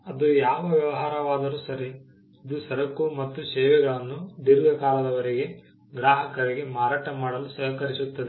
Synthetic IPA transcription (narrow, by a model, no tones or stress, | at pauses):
ɐd̪ujaːʋɐʋjɐʋɐɦaːɾɐʋaːd̪ɐɾusɐɾi | id̪usɐɾɐkːumɐt̪ːusɛːʋɛɡɐɭɐnːud̪iɾɡɐkaːlɐd̪ɐʋɐɾiɡe̞ | ɡɾaːɦɐkɐɾiɡe̞maːɾaːʈɐmaːɽɐlusɐɦɐkɐɾisut̪ːɐd̪e